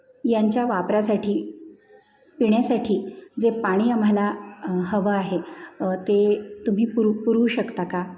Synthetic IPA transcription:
jaɲt͡ɕjaʋapɾasaʈʰiː | piɳjasaʈʰiːd͡zepaɽ̃iːam̤alaɦəʋəaɦet̪et̪um̤iːpuɾupuɾuːɕəkt̪aka

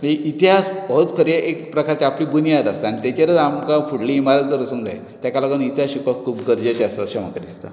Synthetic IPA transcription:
ʋeʔit̪iɦasbɔɦot͡skʰəɾjeʔekpɾəkaɾt͡ɕiapliːbunijat̪ast̪aːñit̪at͡ɕaɾət͡samkafuɽliːmaɾat̪d̪əɾəsuŋɡa̰j | t̪jakalaɡənit̪iɦaɕikɔkʰuːpɡəɾd͡ʑat͡ɕeast̪aɕəma̰kad̪ist̪a̰

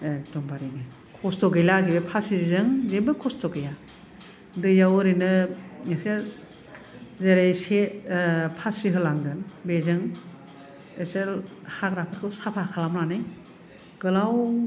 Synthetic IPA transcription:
tɔmbaɾiŋe | kʰɔstɔɡejlakʰibepʰasizɯŋzebɯkʰɔstɔɡeja | dɯjawɯɾinɯŋese | zeɾejse | pʰasiɦɯlaŋɡɯnbezɯŋ | eselhakɾapʰɯɾkʰɯwsapʰakʰalamnanɯj | ɡɯlaw

